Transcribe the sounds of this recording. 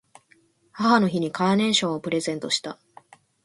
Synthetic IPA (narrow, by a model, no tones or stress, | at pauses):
hahano̞çiɲ̟ikaːnẽ̞ɰ̃ɕõ̞ɰ̃opɯ̟ɾe̞zẽ̞nt̪o̞ɕi̥t̪a